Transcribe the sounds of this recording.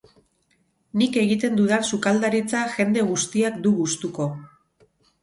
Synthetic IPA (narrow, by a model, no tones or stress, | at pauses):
nike̞ɣit̪̬e̞nd̪uðansukald̪aɾit͡saʝe̞nd̪e̞ɣ̞ust̪iakd̪uɣust̪uko̞